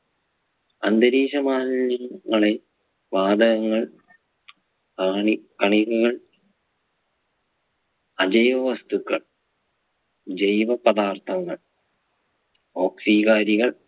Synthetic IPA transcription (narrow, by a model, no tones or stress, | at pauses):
ɐnd̪ɐɾiːɕɐmaːɐnːɐŋːɐɭe | ʋaːd̪ɐɣɐŋːɐɭ | ɳikɐɳiɣuɣɐɭ | ɐd͡ʑɐjʋɐʋɐst̪ukːɐɭ | d͡ʑejʋɐpɐd̪aːrt̪ʰɐŋːɐɭ | oːksiːkaːɾiɣɐɭ